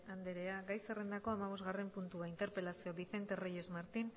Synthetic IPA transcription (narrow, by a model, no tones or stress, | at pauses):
and̪eɾe̞aɡajse̞re̞nd̪ako̞amaβ̞o̞zɣare̞mpunt̪uaint̪e̞ɾpe̞lasio̞βiθe̞nt̪e̞reje̞zmaɾt̪in